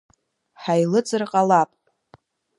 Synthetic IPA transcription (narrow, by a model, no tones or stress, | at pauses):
ħajlɨt͡sʼɨrqʼalapʼ